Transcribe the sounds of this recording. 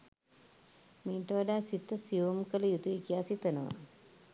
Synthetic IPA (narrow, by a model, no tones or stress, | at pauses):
miːʈəʋaɖaːsit̪ːəsiomkələjut̪uikijaːsit̪ənəʋa̰